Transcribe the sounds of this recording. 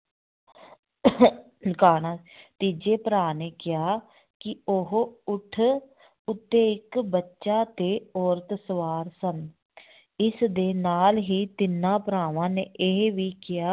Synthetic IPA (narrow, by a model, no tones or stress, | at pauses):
kaːɽãː | t̪iːd͡ʒeːpəɾaːneːkɪjaː | kɪoɦʊʈʰ | ʊt̪ːeːɪkbətːʃaːt̪eːɔːɾət̪səʋaːɾsən | ɪsd̪eːnaːlɦiːt̪ɪnãːpɾaːʋãːneːʔeɦʋiːkɪjaː